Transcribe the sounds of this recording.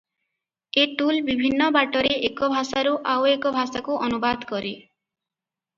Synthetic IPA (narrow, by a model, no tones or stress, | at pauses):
eʈulbibʱinːɔbaʈɔɾeekɔbʱasaɾuʔawekɔbʱasakuʔɔnubad̪ʱkɔɾi